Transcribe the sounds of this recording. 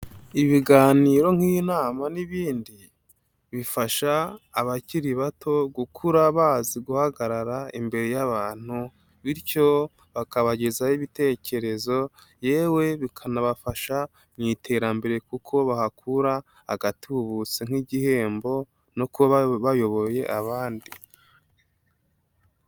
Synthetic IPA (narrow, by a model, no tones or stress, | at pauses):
iβiɡaːniːɾo̞ŋ̥hinaːmaniβiːndi | βifaʃaːβaciɾiβatʰo̞ɡukʰuɾaβaːziɡuhaɡaɾaɾaimbe̞ɾe̞jaβaːn̥hu | βiɾco̞ | βakaβaɟe̞zajiβite̞ːce̞ɾe̞zo̞ | jeːwe̞βikʰanaβafaʃa | ɲitʰe̞ɾambe̞ɾe̞kukʰo̞βahakʰuɾa | ha̰ɡatiβuβut͡seŋ̥iɟihe̞ːmbo̞ | nokβaβajo̞βo̞je̞ʔaβaːndi